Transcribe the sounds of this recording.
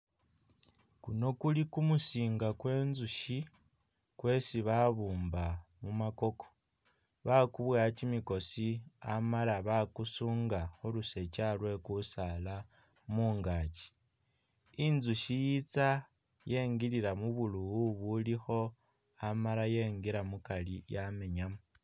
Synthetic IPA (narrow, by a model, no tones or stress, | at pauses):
kuno̞kulikumusiːŋɡakwe̞ːnzuʃi | kwe̞siβaβuːmbamumako̞ko | βakuβwat͡ʃimiko̞sia̰malaβakusuːŋɡaxoluse̞t͡ʃalwe̞kusala | muːŋɡat͡ʃi̥ | inzuʃijit͡sa | je̞ːŋɡiliɾamuβuluuβulixo̞ | amalaje̞ːŋɡiɾamukalijame̞ɲamu